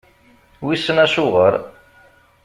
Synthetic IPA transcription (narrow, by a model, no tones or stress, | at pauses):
wisːənæʃʊʁəɾ